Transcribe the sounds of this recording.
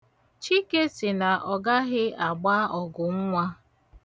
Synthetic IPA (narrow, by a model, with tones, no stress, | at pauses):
t͡ʃi˦ke˦sɪ˨na˨ʔɔ˨ɡa˦ɣɪ˦a˨ɡ͡ba˦ɔ˨ɡʊ˨ŋ̩˦ŋʷa˦